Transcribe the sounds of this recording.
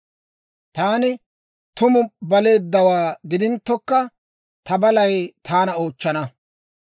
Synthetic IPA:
t̪aːnɪ | t̪ʊmʊbɐle̞ːd̪ːɐwaːɡɪd̪ɪnt̪ːɔkːɐ | t̪ɐbɐlɐjt̪ʰaːnɐo̞ːt͡ʃːɐnɐ

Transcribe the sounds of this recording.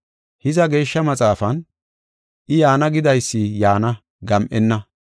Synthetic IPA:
hɪzɐɡe̞ːʃːɐmɐt͡sʼaːfɐn | ʔɪjaːnɐɡɪd̪ɐjsːɪjaːnɐ | ɡɐmʔɛnːɐ

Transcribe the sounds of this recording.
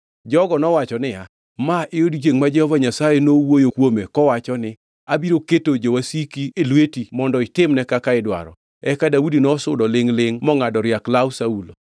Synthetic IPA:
d͡ʒɔɡɔnɔwat͡ʃɔnɪja | maʔɪodid͡ʒeŋmad͡ʒɛhɔvaɲasajenowojokwomekɔwat͡ʃɔnɪ | abiɾoketod͡ʒowasikielwetimɔndɔɪtɪmnɛkakaɪdwa̰ɾɔ̰ | ɛkadaudinɔsʊdɔlɪŋlɪŋmɔŋadɔɾjaklawsaulo̰

